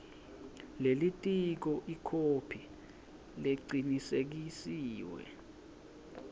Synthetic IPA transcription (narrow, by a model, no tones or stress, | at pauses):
lelitʼik̬ɔʔikʰopʰi | leǀinisek̬isiːwɛ̰